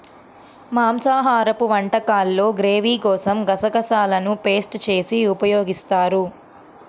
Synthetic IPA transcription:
maːmsaːɦaːɾɐpuʋɐɳʈɐkaːlːo̞ːɡɾeːʋiːkɔːsɐmɡɐsɐɡɐsaːlɐnupe̞ːsʈt͡ʃe̞ːsiupɐjoːɡist̪aːɾu

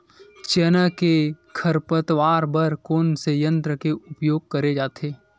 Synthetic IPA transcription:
t͡ʃeːnakekʰəɾpət̪ʋaːɾbəɾkoːnsejə̃nt̪ɾəkeʔʊpjoːɡ̚kɐɾed͡ʒaːt̪ʰeː

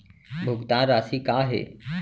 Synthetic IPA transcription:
bʱʊɡt̪ãːnɾaːsikaːɦḛː

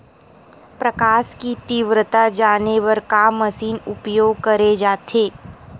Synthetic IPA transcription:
pɾɐkaːskit̪iʋɾət̪ad͡ʒaːneʋɐɾkamɐsiːnʊpjoːɡ̚kɐɾed͡ʒaːt̪ʰeː

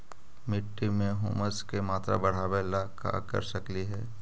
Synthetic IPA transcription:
mɪʈːimẽɦʊːməskemaːt̪ɾa̰bɐɽ̤aːʋeːlaka̰kɐ̰ɾsɐkliɦɛː

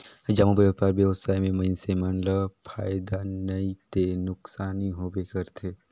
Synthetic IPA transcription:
d͡ʒamobeəpaɾbjəʋsaːjmẽmɐ̃nsemɐnləpʰaːjd̪anɐit̪enʊksaːniɦoːbekəɾt̪ʰeː

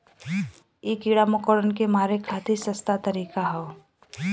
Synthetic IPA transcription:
eːkiɽamokoɽənkemaːɾekʰaːt̪ʰisəst̪at̪əɾiːkaɦɛː

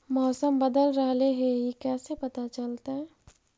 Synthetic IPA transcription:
mɔːsəmbəd̪əlɾəɦleɦeikɛːsepɐt̪at͡ʃəlt̪aɦɛ

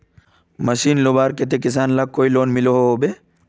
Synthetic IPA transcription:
mɐʃiːnlobaːɾket̪̬ekɪs̬aːnlakːoːiloːnmɪloɦoɦoːbe

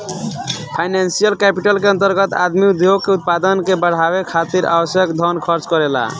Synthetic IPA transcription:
pʰaɪnansijəlkɛpiʈəlkeənt̪əɾɡət̪a̰d̪miud̪ʱjoɡ̚keut̪̚pad̪ənkebəɽ̤aβekʰat̪iɾʔa̰bəsjəkd̪ʱɔnkʰʌɾt͡ʃkɔɾela̰

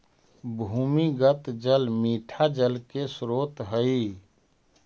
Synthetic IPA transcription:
bʱuːmiɡət̪d͡ʒəlmiːʈʰad͡ʒəlkesɾoːt̪ɦəi

